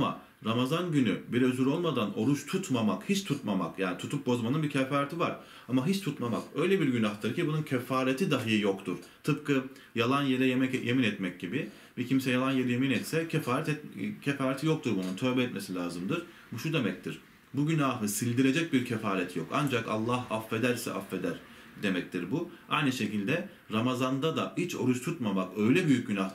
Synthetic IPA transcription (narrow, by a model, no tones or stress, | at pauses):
ama̰ | ɾamazanɟynybiɾøzyɾolˠmad̪ano̞ɾut͡ʃt̪ʰut̪mamakhit͡ʃt̪ʰut̪mama̰kjaːnit̪ʰut̪ʰuk̚bo̞zmanɯnbicʰefaːɾet̪ivaɾ̥ | amaɦit͡ʃt̪ʰut̪mama̰kø̞jlʲebiɾɟynaht̪ʰaɾɯcibununcʰefaːɾet̪ʰid̪aɦɯjɯjo̞kt̪ʰuɾ̥t̪ʰɯp̚kɯ | jalˠanjeɾɛjemɛjʔeminɛt̪mɛc̚ɟibi | bicʰimsɛjalˠanje̞ɾɛjeminɛt̪sɛcʰɛfaːɾɛt̪ɛt̪cʰefaːɾɛt̪ʰijok̚t̪ʰuɾbununt̪ʰø̞ːbɛɛt̪me̞silʲaːzɯmd̪ɯɾ̥ | buʃud̪e̞mɛc̚t̪ʰiɾ̥ | buɟynaːɦɯsilʲd̪iɾe̞d͡ʒɛc̚biɾcʰefaːɾɛt̪ʰijokand͡ʒaka̰lˠːaɦafːe̞d̪æɾsɛ̰ʔafːe̞d̪æɾ | d̪e̞mɛc̚t̪ʰiɾbuajnɯʃe̞cilʲd̪ɛ | ɾamazand̪ad̪ait͡ʃʰo̞ɾuʃt̪ʰut̪mamakø̞jlʲɛbyjyc̚ɟynah̪